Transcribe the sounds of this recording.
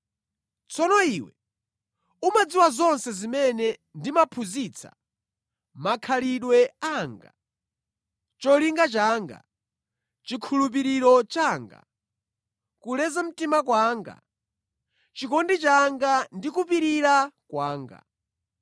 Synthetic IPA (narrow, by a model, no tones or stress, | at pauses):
t͡sʰɔnɔiːwɛ̰ | umad͡ziwazɔnsɛzimɛnɛndimapʰuzit͡sʰḁ̰ | makʰaliɗwɛaːŋɡa̰ | t͡ʃɔliŋɡat͡ʃaːŋɡa̰ | t͡ʃikʰulup̬iɾiɾɔt͡ʃaːŋɡa̰ | kulɛzam̩timakwaːŋɡa̰ | t͡ʃikɔndit͡ʃaŋɡandikup̬iɾiɾakwaːŋɡa̰